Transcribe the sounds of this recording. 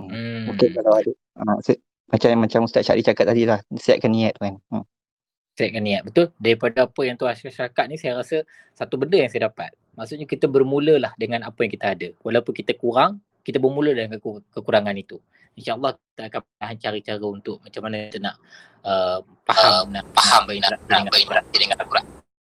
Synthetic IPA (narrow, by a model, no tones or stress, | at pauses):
okekalawadə | əs | mat͡ʃamjaŋmat͡ʃamst̪aʔʃa̰ʔdit͡ʃaakat̪ːadilahsia̰ʔ̚kanĩat̪̚man̩m | sijaʔ̚kanːĩat̪̚bət̪ʊldaɾipadaapəjaŋt̪uaaʃaɾakat̪̚nisajaɾasə | sat̪ubəndəjaŋsajədapa̰t̪̚ | maʔsut̪̚ɲakit̪əbərmuləlahdəŋanapəjãŋkit̪aːdəwalawpʊnkit̪əkuɾaŋ | kit̪əbərmulədalankkəkuɾaŋanit̪u | inʃaʔɑlːɑhit̪aakanpənaɦaɲt͡ʃaɾit͡ʃaɾəunt̪ʊʔ̚mat͡ʃamːanakit̪ənaʔ | əmpaəanapahambainaanabaiəɾat̪idəŋanakuɾaŋ